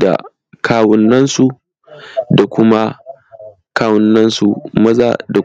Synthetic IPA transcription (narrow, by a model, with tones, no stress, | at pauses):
da̰˨ | kʰaː˦wɔ˦nːɐ˦nsu˨ | da˨kʷʊ˦ma˦ | kaː˦wɔ˦nːɐ˦nsu˨mɐ˦za̰ː˨da˨